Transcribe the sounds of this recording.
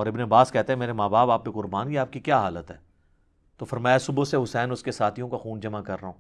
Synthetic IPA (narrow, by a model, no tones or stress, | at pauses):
ɔːɾɪbneɐbaːskɛɦt̪eɦɛmeːɾemaːbaːbaːp̚kekʊɾbaːnkiaːp̚kikjaːɦaːlət̪ɦɛː | t̪oːfɐɾmaːjasʊboseɦʊsɛːnʊskesaːt̪ʰijõkaxuːnd͡ʒɐmakɐɾːɐɦõː